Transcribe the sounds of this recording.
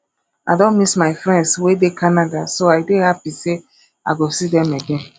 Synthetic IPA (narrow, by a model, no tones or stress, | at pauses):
aɪdõnmismaɪfɾɛ̃ndswedekʰanadasoaɪdehapise | a̰ɡosidɛmeɡẽn